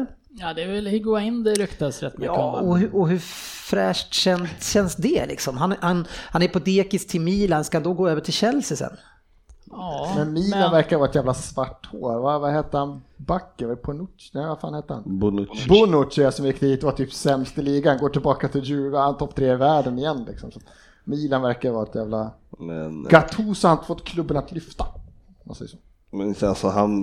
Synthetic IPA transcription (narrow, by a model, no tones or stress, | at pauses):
jɑːd̪ɛvɛlhɡoːɪnd̪ɛɾʏkt̪asɾɛt̪ːmʏɑːəɔhʔɔɦɵfɾɛːʂʈɕɛnt̪ɕɛnsd̪ɛlɪ̰ksɔmɦanhanhanɛɾpʰɔd̪eːkɪst̪ʰɪlmiːlanskahand̪ɔɡoːøːvəʈʰɪlɕɛlsɪsɛ̰n | mɛnmiːnavæɾkaɾvɑːɾɛt̪jæːvlasvaʈːhoːɾvavaheːt̪əhanbakːəɾvapʰɔnʊnɛvafaːnheːt̪əɾha̰nbʊnbʊnʊtt͡ʃɛasɔmjɪkːd̪iːt̪̚ɛvat̪ʰyːpsɛmst̪əliːɡaanɡoːʈɪlbɑːkat̪ʰɪljʉːɾahant̪ʰɔpːt̪ʰɾeːɪvæːɖənɪjɛnːlɪ̰ksɔmsat̪ | miːlanvæɾkajəvɑːɾɛt̪jæːvlamɛ̰nɡ̥at̪ʰuːsɔanɪt̪ə̥fɔt̪ːkʰlɵbːənat̪lʏft̪a | ɔma̰nsɛ̰jːəʂo̥ː | asɔɦan